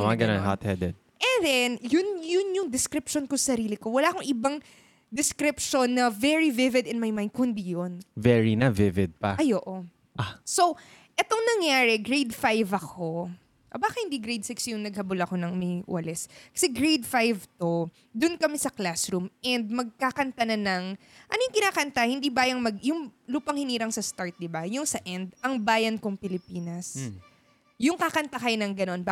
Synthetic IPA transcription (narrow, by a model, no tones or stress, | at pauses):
ɐma̰ɡɐnaŋha̰t̪hɛd̪ɛd̪̚ʔɛnd̪ɛnjʊnjʊnjʊŋd̪ɛskɾɪpʃonkosɐɾiːlɪko̞wɐlaːɐkoŋʔɪbɐŋ | d̪ɛskɾɪpʃonːɐvɛɹivɪvɪd̪ɪnmɐjmãj̃nd̪̚kʊhɪnd̪ijonvɛɹinɐvɪvɪd̪̚pɐɐjoːʔo | ʔaso̞w | ʔɛt̪oŋnɐŋjaːɾɛɡɹejd̪fajvɐkʰo̞ | ʔobaːkɐhɪnd̪iɡɾejd̪̚sɪksjʊŋnɐɡ̚hɐbʊlɐko̞nɐŋmɐjw̰ɐlɛskɐ̥sɛɡɾejd̪fajvt̪o̞ | d̪ʊnkɐmɛsɐklasɾumʔɛnd̪̚mɐɡ̚kakɐnt̪ɐnɐnɐŋ | ʔɐnojʊŋkɪnaːkɐnt̪ɐhɪnd̪ibaːjɐŋmɐɡjʊŋluːpɐŋhɪniːɾɐŋsɐst̪aɹt̪̚d̪ɪbɐjʊŋsɐʔɛnd̪ɐŋbaːjɐnkoŋpɪlɪpiːnɐs | jʊŋkakɐnt̪ɐkɐjonɐŋɡɐno̞nba